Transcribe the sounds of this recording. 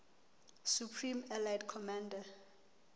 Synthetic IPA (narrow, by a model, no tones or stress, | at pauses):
supʰrimɛlajdkʰɔmãnda